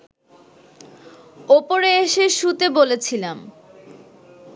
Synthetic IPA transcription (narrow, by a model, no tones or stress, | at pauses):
opoɾeeʃeʃut̪ebolet͡ɕʰilam